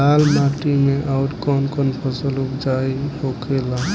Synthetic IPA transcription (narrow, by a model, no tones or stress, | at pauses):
almaʈimeʔaʊʈkɔnkɔnpʰɔsəlukd͡ʒajɦokʰela